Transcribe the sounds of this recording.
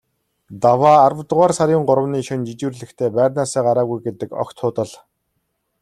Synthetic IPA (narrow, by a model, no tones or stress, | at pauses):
t̪awaːɾə̆wt̪əʁaːrsaɾʲʊːɴɢʊɾə̆wniːʃʊ̆nt͡ɕit͡ɕŭrɮɘ̆xt̪ʰeːpæːrʲnaːsaːɢaɾaːɣujɡet̪ɘ̆kɔ̰xt̪ʰːʊːt̪ə̆ɮ